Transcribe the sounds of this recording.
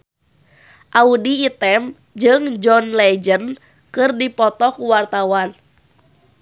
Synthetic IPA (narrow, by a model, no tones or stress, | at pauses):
ʔaudiːt̪ɛm | d͡ʒɨŋd͡ʒɔnlɛd͡ʒən | kɨrdipɔt̪ɔkuwart̪awan